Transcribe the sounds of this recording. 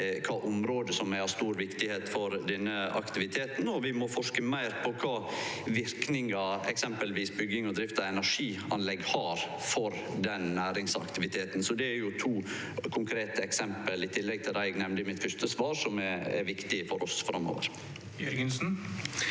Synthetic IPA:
kʰɑːʔʊmɾoːd̪əsɔmæɪɑst̪uːɾʋɪkt̪ɪheːt̪fɔɾd̪ɛnːəɑ̰kt̪ɪʋɪt̪ʰeːt̪n̩ɔʋɪmɔfɔʂkəmæɪɾpʰɔkʰɑːʋɪɾknɪŋɑɛksɛmpəlʋiːsbʏɡːɪŋɔd̪ɾɪft̪ɑɛnæʂiːɑnlɛɡhɑːɾ | fɔɾ | d̪ɛnnæːɾɪŋsɑ̰kt̪ɪʋɪt̪ʰeːt̪n̩sɔd̪ɛæɾjʊt̪ʰuː | kʰʊŋkʰɾeːt̪əɛksɛmpəlɪt̪ʰɪlːɛɡ̚t̪ʰɪlɾæɪɡnɛmnɪmɪt̪fʉst̪əsʋɑːɾʂɔmɛɛ̰ɾʋɪkt̪ɪfɔɾʔɔsfɾʔɑmːo̰ːʋə̰ɾ | jœɾɡənsn̩

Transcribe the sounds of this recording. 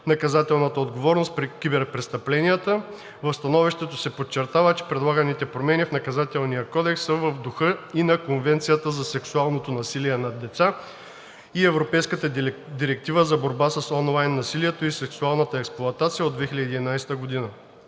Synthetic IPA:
nɐkɐzat̪ɛlˠnət̪əod̪ɡovɔɾnost̪pɾikibɛɾpɾɛst̪ɐplɛnijət̪ə | vəfst̪ɐnɔviʃt̪ɛt̪osɛpot͡ʃːɛɾt̪avət͡ʃɛ̥pɾɛd̪lˠaɡənit̪ɛpɾomɛnifnɐkɐzat̪ɛlˠnijəkɔd̪ɛksːəvəvd̪ʊxɤinɐkonvɛnt̪sijət̪əzɐsɛksualˠnot̪onɐsiliɛnɐd̪ɛt̪sa | iɛvɾopɛjskət̪əd̪iɾɛk̚t̪ivəzɐboɾbasəsɔnlˠajnːɐsiliɛt̪oisɛksualˠnət̪əɛksplˠʊɐt̪at̪sijəod̪vɛxilʲədiɛid̪ɛinajst̪əɡod̪inə

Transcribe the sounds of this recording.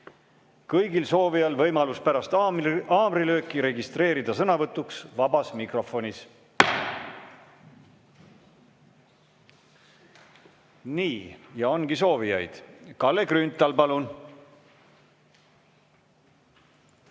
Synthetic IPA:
kɤjɡilso̞ːvijɑlvɤjmɑluspæɾɑst̪ɑːbɾilø̞ːkːˑiɾe̞ɡist̪ɾe̞ːɾid̪ɑsɤnɑvɤt̪ːuksvɑbɑsmikro̞fo̞nʲis | niːjɑo̞nɡ̥iso̞ːvijɑ̰jd̪̥kɑlːe̞krynt̪ːˑɑlpɑlun

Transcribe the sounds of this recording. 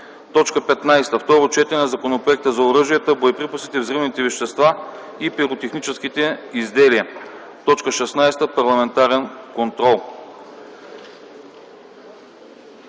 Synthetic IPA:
t̪ɔt͡ʃkəpɛt̪najst̪əft̪ɔɾot͡ʃɛt̪ɛnɐzɐkonopɾoɛk̚t̪əzɐoɾɤʒiət̪əbojɛpɾipəsit̪ɛvzɾɛmnit̪ɛvɛʃt̪ɛst̪va | ipiɾot̪ɛxnit͡ʃɛskit̪ɛizd̪ɛliə | t̪ɔt͡ʃkəʃɛsnajst̪əpɐɾlˠɐmɛnt̪aɾɛnkont̪ɾɔlˠ

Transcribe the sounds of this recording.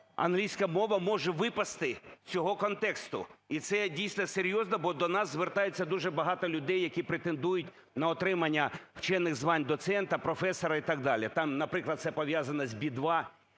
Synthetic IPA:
ɐ̰nɦlʲijsʲkɐmɔʋɐmɔʒɛʋɪpɐst̪ɪt͡sʲɔɦɔkɔnt̪ɛkst̪ʊ̰it̪sɛdʲijsʲnɐseɾʲjɔznɐbɔd̪ɔnɑszʋert̪ɑjet͡sʲːɐd̪uʒɛbɐɦɑt̪ɔlʲʊd̪ɛjːɐkʲipɾet̪end̪ujʊtʲ | nɐɔt̪ɾɪmɐnʲːɐw̥t͡ʃɛnːɪɣzʋɑnʲd̪ɔt̪sɛnt̪ɐpɾɔfɛsɔɾɐit̪ɑɡ̚d̪ɑlʲit̪ɑmnɐpɾɪklˠɐd̪̚sɛpɔʋʲjazɐnɐzʲbʲid̪ʋɑ

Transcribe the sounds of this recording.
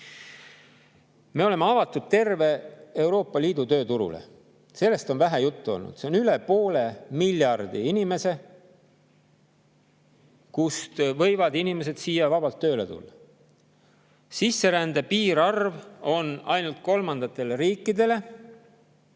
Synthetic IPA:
me̞o̞le̞meɑvɑt̪ːˑud̪̥̚t̪e̞rve̞ewɾo̞ːpːˑɑliːd̪̥ut̪øːt̪uɾṵlḛ | se̞lːe̞st̪o̞nvæɦæjut̪ːuo̞̰lnṵd̪̥se̞onylepo̞ːle̞milʲːjɑrd̪iinime̞se̞ | kust̪vɤ̞jvɑd̪inime̞s̬e̞d̪̥siːjɑvɑb̥ɑlt̪ːøːle̞t̪ṵlːɑ | sisːe̞ɾænd̪epiːɾɑrvo̞nɑjnult̪̚ko̞lmɑnd̪̥ɑt̪ːˑe̞leɾiːkːˑid̪e̞le̞

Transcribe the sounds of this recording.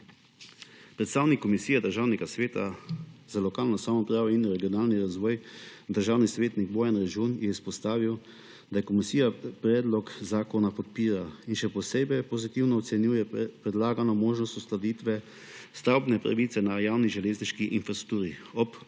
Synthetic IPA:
pɾɛt̪st̪aːwnikːɔmisiːjɛd̪əɾʒaːwnɛɡasʋeːt̪azalɔkaːlnɔsamɔpɾaːʋɔinɾɛɡijɔnaːlniɾazʋɔːjd̪əɾʒaːwnisʋeːt̪niɡbɔːjanɾɛd͡ʒunjɛispɔst̪aːʋiw | d̪ajɛkɔmisiːjapɾɛːd̪lɔkzaːkɔnapɔt̪̚piːɾainʃɛpɔseːbɛjpɔzit̪iwnɔɔt̪sɛnjuːjɛpɾɛd̪laːɡanɔmoːʒnɔst̪ust̪lad̪iːt̪ʋɛ | st̪awbnɛpɾa̰ʋiːt̪sɛnajaːwniʒɛleːzniʃkiʔinfɾasɾuk̚t̪uːɾiɔp

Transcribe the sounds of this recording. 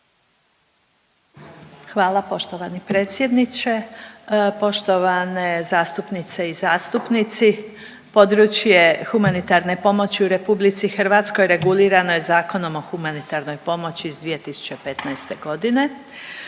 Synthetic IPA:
xʋaːlˠapo̞ʃt̪oʋanipɾe̞ːt̪sʲje̞d̪nit͡ɕe̞ | po̞ʃt̪o̞ʋanezaːst̪upnit̪se̞izaːst̪upnit̪si | po̞d̪ɾut͡ɕje̞xumanit̪aɾne̞po̞mo̞t͡ɕiuɾe̞publit̪sixr̩ʋat̪sko̞jɾe̞ɡuliːɾanojezaːko̞no̞mo̞xumanit̪aɾno̞jpo̞mo̞t͡ɕizd̪ʋije̞t̪isu̥t͡ɕe̞pe̞t̪najst̪e̞ɡo̞d̪ine̞

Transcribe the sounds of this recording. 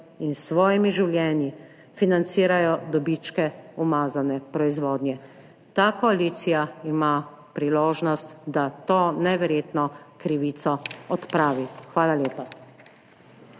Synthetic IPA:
insʋɔːjimiʒiwljɛːnji | finant̪siːɾajɔd̪ɔbit͡ʃkɛumaːzanɛpɾɔizʋoːd̪njɛ | t̪aːkɔaliːt̪sijaima | pɾiloːʒnɔst̪d̪at̪oːnɛʋɛɾjeːt̪nɔkɾiʋiːt̪sɔɔt̪pɾaːʋixʋaːlaljeːpa

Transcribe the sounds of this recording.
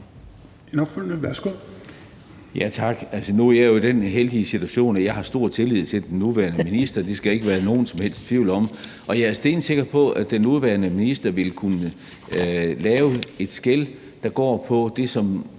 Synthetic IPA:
enɒɡ̥følnəʋæɐsɡ̥o | jæt͡sʰɑ̈ɡ̥ælsənuæjɑjoid̥enɦeld̥iəsit͡sʰuæɕo̝̰ːnæjɑ̈ɪhɑ̈sd̥o̝ɐ̰t͡sʰe̝lið̰ˠt͡sʰe̝ld̥enːuʋæɐnəminisd̥ɐd̥e̝sɡ̥æe̝ɡ̥əʋæːɐno̝ːn̩sɒ̽mhel̰sd̥t͡sʰʋiʊ̰lɒ̽m | ʔɒ̽jɑ̈æɐsd̥e̝ːn̥se̝ɡ̥ɐpʰɒ̽æd̥enuðˠʋæɐnəminisd̥ɐʋe̝lkʰunə | lɛːʊe̝d̥sɡ̥el | d̥ɑ̈ɡ̥ɒ̰ːpʰɒ̽d̥e̝sɒ̽m

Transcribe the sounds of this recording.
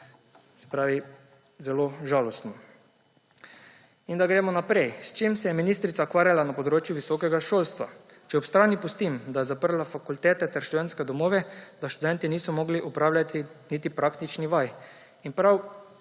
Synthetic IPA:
sɛ̥pɾaːʋi | zɛloʒaːlɔst̪nɔ | ind̪aɡɾɛːmɔnapɾɛjst͡ʃeːmsɛjɛminiːst̪ɾit̪saɔkʋaːɾjalanapɔd̪ɾoːt͡ʃjuʋisɔːkɛɡaʃoːlst̪ʋa̰ | t͡ʃɛɔpst̪ɾaːnipɔst̪imd̪ajɛzapəɾlafakult̪ɛːt̪ɛt̪ɛɾʃt̪ud̪ɛnskɛd̪ɔmoːʋɛd̪aʃt̪ud̪ɛnt̪iniːsɔmɔːɡliʔupɾaːwlʲjat̪ʰinit̪ipɾaːkt̪it͡ʃniʋaj | inpɾaw

